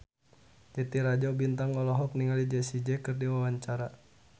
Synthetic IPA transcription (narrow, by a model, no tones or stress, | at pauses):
d͡ʒɛt̪iɾad͡ʒɔbint̪aŋlɔlɔɦɔk̚niŋalid͡ʒɛsid͡ʒɛkɨrdiwawaɲt͡ʃaɾa